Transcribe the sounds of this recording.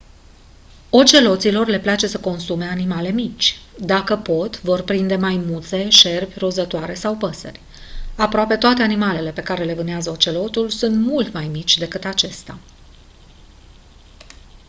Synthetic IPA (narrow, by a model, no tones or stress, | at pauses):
o̞t͡ʃe̞lo̞t̪silo̞rle̞plat͡ʃe̞səko̞nsume̞animale̞mit͡ʃʲd̪akəpo̞t̪vo̞rpɾind̪e̞majmut̪se̞ʃe̞rbʲrozət̪oaɾe̞sawpəsə̰rʲ | apɾoape̞t̪oat̪e̞animale̞le̞pe̞kaɾe̞le̞vɨnd̪eazəo̞t͡ʃe̞lo̞t̪ulsunt̪mult̪majmit͡ʃʲd̪e̞kɨt̪at͡ʃe̞st̪a̰